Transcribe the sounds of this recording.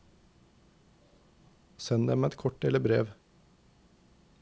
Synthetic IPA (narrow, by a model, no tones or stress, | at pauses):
sɛnd̪ɛmɛt̪kʰɔʈ̚ɖeːləbɾeːʋ